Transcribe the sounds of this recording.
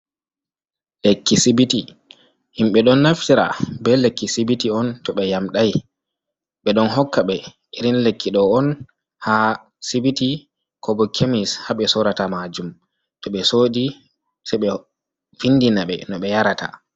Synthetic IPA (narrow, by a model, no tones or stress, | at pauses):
lekːisibiti | ʔimɓɛɗɔnːaftiɾa̰bɛlekːisibitiɔntɔɓɛjamɗaj | ɓɛɗɔnɦɔkːaɓɛ | ʔiɾinlekʰːiɗɔɔn | ha | sibiti | kʰɔbɔkʰemishaɓɛsɔɾatamad͡ʒum | tɔɓɛsoːdi | saɓɛ | finːdinaɓɛ̰nɔɓɛjaɾata̰